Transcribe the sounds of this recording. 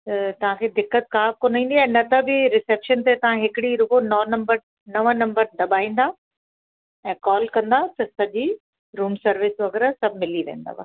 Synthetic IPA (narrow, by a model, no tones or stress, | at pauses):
t̪ɐt̪ɐʋ̤ãkʰeːd̪ɪkːət̪̚kaːfkoːnaĩːnd̪iɛ̃ːnɐt̪ɐbɪɾɪseːpʃənt̪et̪ɐʋ̤ãɦɪkɪɽiɾʊkonɐnɐ̃mbəɾ | nɐʋə̃nɐ̃mbəɾɖɐbaːĩːn̆d̪a | ɛ̃ːkɔːlkɐ̃nd̪at̪ɐsɐʄi | ɾuːmsɐɾʋɪsʋɐɡɛɾasɐbʱmɪliʋḛ̃ːn̆d̪a̰ʋa̰ː